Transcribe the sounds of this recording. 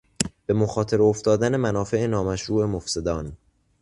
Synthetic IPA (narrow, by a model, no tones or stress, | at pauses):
b̥e̞moxɒːt̪ʰe̞ɾoft̪ɒːd̪æne̞mænɒːfe̞enɒːmæʃɾuːe̞mofse̞d̪ɒːn